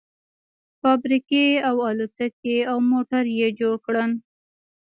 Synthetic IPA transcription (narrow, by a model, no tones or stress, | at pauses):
fɑbɾikeawɑlut̪əkeawmoʈaɾjed͡ʒoɽkɽən